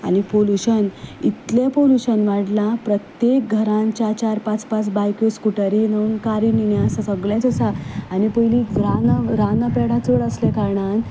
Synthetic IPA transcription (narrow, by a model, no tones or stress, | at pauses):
a̰nipoluɕənit̪lẽpoluɕənʋaɽlãpɾət̪jek̚ɡʱəɾãnt͡ɕat͡ɕaɾpãt͡spat͡sbajkjoskuʈəɾinəunkaɾininjasasəɡɭẽt͡səsaːnipəjliɾanəɾanəpɛɽ̤ãt͡səɽəslẽkaɾɳan